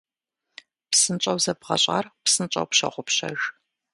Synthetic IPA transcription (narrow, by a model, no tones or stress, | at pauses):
psɨnt͡ʃʼɐwzɐbʁɐ̰ɕʼa̰ːrpsɨnt͡ʃʼɐ̰wpɕɐ̰ʁʷʊpɕɐ̰ʒ